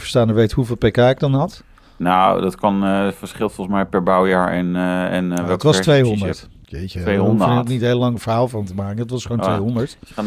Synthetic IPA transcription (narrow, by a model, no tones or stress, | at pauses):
fə̥staːnəɹʋejtɦuveːlˠpejkaːɪɡ̚dɑnɦɑt | nawdɑtkɑnfəɹsχɪlˠtfɔlˠəsmɛjpɛɹbawjaːɹɛnɛnətʋɑstʋejɦɔndəɹt | jḛjcəknitɦejləlɑŋəvəɹɦaːlˠvɑntəmaːkəndətʋɑsχowntʋejɦɔndəɹt